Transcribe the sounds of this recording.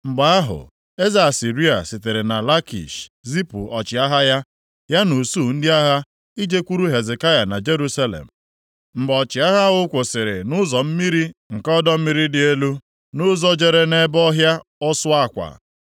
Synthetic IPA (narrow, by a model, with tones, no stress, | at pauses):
m̩˨ɡ͡ba˨a˦ɦʊ̰˨ | e˦za˨a˨si˨ɾi˦a˨sɪ˨te˨ɾɪ˨na˨la˦kḭ˨ʃzi˦pṵ˨ɔ˨t͡ʃɪ˨a˦ɦa˦ja˦ | ja˦nu˨su˦˨n̩˦dɪ˦a˦ɦa˦ | i˦d͡ʒe˦kʷu˦ɾu˦ɦe˨ze˨ka˦ja˨na˨d͡ʒe˦ɾu˦sa˦lḛ˨m̩˨ | m̩˨ɡ͡bɔ˨t͡ʃɪ˨a˦ɦa˦ʊ˦kʷʊ˨sɪ˨ɾɪ̰˨nʊ˦zɔ˨m̩˦mi˦ɾi˦ŋ̩˨kɔ˦dɔ˦m̩˦mi˦ɾi˦dɪ˨e˦lu˦ | nʊ˦zɔ˦d͡ʒe˨ɾe˨ne˦bɔ˦ɦja˦ɔ˦sʊ˦a˦˨kʷa̰˨